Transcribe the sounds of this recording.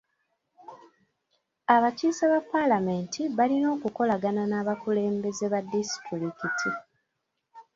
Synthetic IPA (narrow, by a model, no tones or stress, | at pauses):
aβaciːseβapːalame̞ntʰiβalino̞ːkuko̞laɡananaːβakule̞ːmbe̞zeβadːisi̥tɾiɾikitʰi